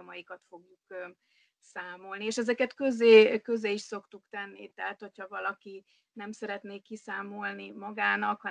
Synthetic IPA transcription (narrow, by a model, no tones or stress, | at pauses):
mɒjikɒt̪fo̞ɡjuk | saːmo̞lnieːʃɛzɛkɛt̪køzeːkøzeːiʃso̞kt̪ukt̪ɛnːit̪ɛɦat̪ho̞chɒvɒlɒki | nɛmsɛɾɛt̪neːkisaːmo̞lnimɒɡaːnɒkhɒ